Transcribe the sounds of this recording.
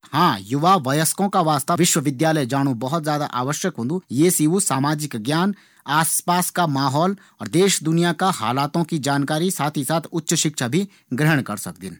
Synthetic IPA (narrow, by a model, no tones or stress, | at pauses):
hãːjʊʋaʋɐjəskõkaʋaːst̪aʋɪʃwəʋɪd̪jaːləjd͡ʒaːɽ̃ubɐɦʊt̪zjaːd̪a̰ʔaːʋəʃjəkɦʊ̃ːnd̪ujeːsiʋusaːmaːd͡ʒɪkɡjaːn | aːspaːskamaːɦɔːl | ɔːɾd̪eːʃd̪ʊnijakaha̰ːlaːt̪õkid͡ʒaːnkaːɾisaːt̪ʰisaːt̪ʰʊtːʃəʃɪkʃʰabʱi | ɡɾəɦəɽ̃kɐɾsɐk̚d̪ɪ̰n